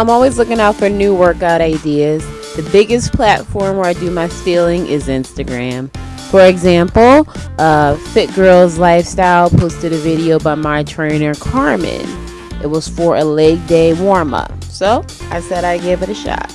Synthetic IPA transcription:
ãɪ̃mɔlˠwizlʊkɪ̃ŋaʊtfə˞nʉwɜ˞kaʊɾaɪdiɨz | ðɨbɪɡɨspʰl̥ætfɔɹmwə˞aɪdɨmaɪstilˠɪ̃ŋʔɪzɪ̃nstɨɡɹæ̃m | fə˞ɨɡzæ̃mpl̩ˠʔʌfɪt̚ɡ̥ɜ˞lˠzlaɪfstaɪlˠpʰoʊstɨɾɨvɪɾioʊbaɪmaɪtʰɹ̥ẽɪ̃nə˞kʰɑɹmɨ̰̃n | ʔɨt̚wʌz̥fə˞ʔɨleɪɡ̚deɪwɔɹmə̰ | soʊ | ʔaɪsɛɾaɪɡeɪvɨɾɨʃɑ̰t̚

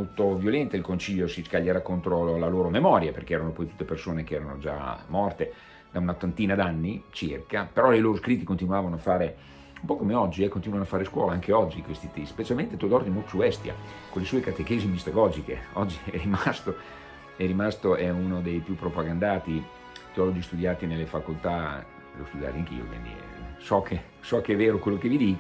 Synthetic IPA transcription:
olt̪ovjolɛnt̪ailkont͡ʃiʎːosiskaʎːeɾakont̪ɾolaloːɾomemɔːɾjaperk̟eɛːɾanopɔjt̪u̥t̪ːepersoːnekeɛːɾano̰d͡ʒa̰mɔrt̪e | d̪aunat̪ːant̪iːnad̪anːit͡ʃirkapeɾɔlejloːɾoskɾit̪ːikont̪inwaːvanoafːaːɾe | umpɔkomeɔd͡ʒːiɛkːont̪inuwanoafaːɾeskwɔ̰ːlaaŋkeɔd͡ʒːikwest̪it̪ispet͡ʃalment̪et̪ud̪ɔrd̪imolt̪o̥suɛst̪ja̰ | konlːesuːekat̪ekeːzimist̪oɡɔːd͡ʒikeɔd͡ʒːiɛrimast̪o | ɛrimast̪oʔɛunod̪ejpjupːɾopaɡand̪aːt̪i | t̪iɔlɔd͡ʒist̪ud̪jaːt̪inelːefakolt̪a | lo̰st̪ud̪ja̰ːt̪iaŋk̟ḭːo̰kwḭnd̪ḭsɔkʰe | sɔkeɛvːeːɾokwelːok̟evid̪iːk

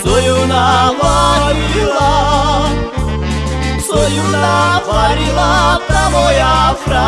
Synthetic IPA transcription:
sojunalaɾila | sojunafaɾilafɾamojafɾa

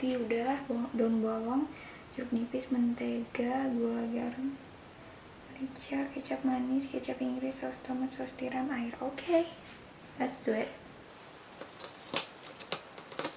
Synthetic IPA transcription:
t̪iudahdɔnbawɔŋ | d͡ʒɾuk̚nipɪsmənt̪eɡaɡuaɡarm | lit͡ʃarkət͡ʃap̚manɪskət͡ʃapiŋɡɾɪsast̪ɔmat̪sɔst̪iɾamaɪɾokʰe | lat̪sduɛt̪̚

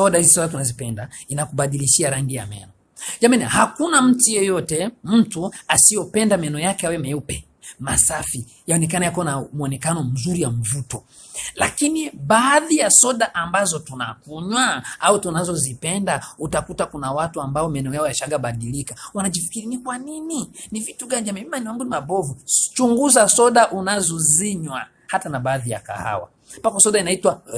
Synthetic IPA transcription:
sɔɗahizisɔɗat̬unazipɛndainakuɓaɗiliʃiaɾaŋɡija̰mɛ̰nɔ | d͡ʒamɛnahakunam̩tujɛjɔtɛm̩tuasijɔpɛndamɛnɔjakɛawɛmɛupɛ | masafi | jaɔnɛkanajakɔnamuɔnɛkanɔm̩zuɾijam̩vutɔ | la̰kiniɓaːðijasɔɗaʔambazɔtuna̰kuɲwaautunazɔzipɛndautakutakunawatuambaɔmɛnɛɔjaɔjaʃaɡaɓaɗilikawanaʄifi̥kiɾinikwanininivituɡanamiimaɛnɛwaŋɡunimaɓɔvut͡ʃuŋɡuzasɔɗaʔunazɔziɲwa | hatanaɓaːðija̰ka̰ha̰wa̰ | pakɔsɔɗainaitwa

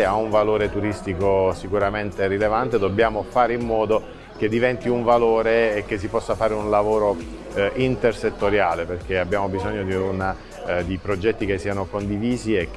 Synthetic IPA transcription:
eauɱvaloːɾet̪uɾist̪ikosikuɾament̪eɾilevant̪ed̪obːjaːmofaːɾeimːɔːd̪o | k̟ed̪ːivɛnt̪iuɱvaloːɾeːk̟ːes̬ːipɔsːafaːɾeunlavoːɾo | ʔint̪erset̪ːoɾjaːleperkeabːjaːmobizoɲːod̪iuna | d̪ipɾod͡ʒɛt̪ːikesːiːanokond̪iviːziek

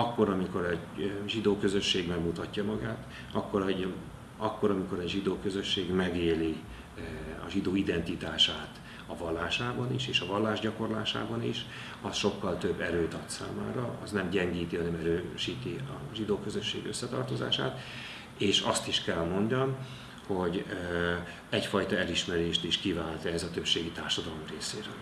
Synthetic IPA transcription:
ɒkːo̞ɾɒmiko̞ɾɛɟʒid̪oːkø̞zø̞ʃːeːɡmɛɡmut̪ɒcːɒmɒɡaːt̪ | ɒkːo̞ɾ | ɒkːo̞ɾɒmiko̞ɾɛɟʒid̪oːkøzø̞ʃːeːɡmɛɡeːli | ɒ̰ʒid̪oːid̪ɛnt̪it̪aːʃaːt̪ | ɒvɒlːaːʃaːbɒniʃeːʃɒvɒlːaːʒɟɒko̞rla̰ːʃa̰ːbɒnḭʃ | ɒsʃo̞kːɒlt̪øbːɛɾøːt̪ɒt̪sa̰ːma̰ːɾɒɒ̰znɛmɟɛŋɡiːt̪iɦɒnɛmɛɾøːʃiːt̪iɒʒid̪oːkøzø̞ʃːḛːɡøsːɛt̪ɒ̰rt̪o̞za̰ːʃa̰ːt̪ | eːʃɒst̪iʃkɛlmo̞ɲɟɒm | ho̞ɟ | ɛcfɒjt̪ɒɛliʃmɛɾeːʃt̪iʃkivaːlt̪ɛɛzɒt̪øpʃeːɡit̪aːrʃɒd̪ɒlo̞mreːseːɾø̰ːl

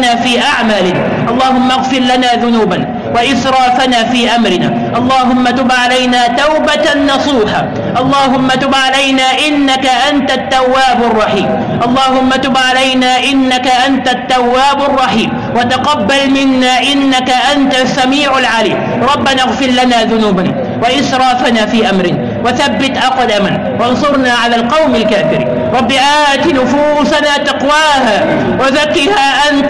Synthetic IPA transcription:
aːfiːʔaʕmaːlɪnaːʔɑlˤːɑːhʊmːaaɣfɪɾlanaːðʊnuːban | waʔɪθɾˤɑːfanaːfiːʔamɾɪna̰ː | ʔɑlˤːɑːɦʊmːat̪ʊbʕalajnaːt̪awbat̪anːɑsˤuːħaː | ʔɑlˤːɑːɦʊmːat̪ʊbʕalajnaːʔɪnːakaʔant̪at̪ːawːaːbʊrˤːɑħiːm | ʔɑlˤːɑːɦʊmːat̪ʊbʕalajnaːʔɪnːakaʔant̪at̪ːawːaːbʊrˤːɑħiːm | wat̪aqɑbːalmɪnːaːʔɪnːakaʔant̪asːamiːʕʊlʕalḭːm | ɾˤɑbːanaɣfɪɾlanaːðʊnuːbana | waʔɪsɾˤɑːfanaːfiːʔamɾɪn | waθabːɪt̪ʔɑqd̪aman | wɑnsˤʊɾnaːʕalaːlqɑwmalkaːfɪɾḭːn | ɾˤɑbːɪʔaːt̪ɪnʊfuːsanaːt̪ɑqwaːɦaː | waðakːɪhaːʔant̪

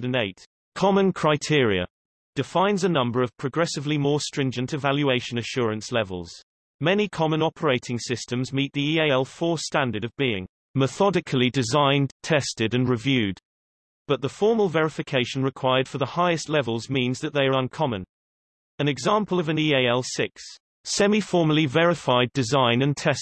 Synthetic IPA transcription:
ɾə̃neɪt | kʰɒmə̃nkʰɹ̥aɪtʰɪəɹiə̰ | d̥ɪfãɪ̃nzənʌ̃mbə˞ʌv̥pʰɹ̥əɡɹɛsɨvlimɔɹstɹ̥ɪ̃nd͡ʒə̃ntʰɨvaljʉeɪʃə̃nəʃʊːɹə̃nslɛvə̰lˠz̥ | mɛnikʰɒmə̃nɒpʰəɹeɪtʰɪ̃ŋsɪstə̃mzmiˑʔ̪̚ðiieɪɛlˠfɔːstæ̃ndəɾəvbiɪ̰̃ŋ | məθɒdɪkʰəlˠidɪzãɪ̃ntʰɛstɪdə̃nɹɪvjʉːd | b̥ʌʔ̪̚ðəfɔɹməlˠvɛɹɪfɪkʰeɪʃə̃n̩ɹɪkʰw̥aɪəd̥fəðəhaɪɨstˡlɛvəlˠzmĩnzðəʔ̪̚ðeɪə˞ʌ̃nkʰɒmə̰̃n | ə̃nɨɡzɑ̃ˑmpʰəl̩ˠʌvə̃nieɪɛlˠsɪksː | ɛmifɔːməlivɛɹɪfaɪdɪzãɪ̃nə̃ntʰɛst

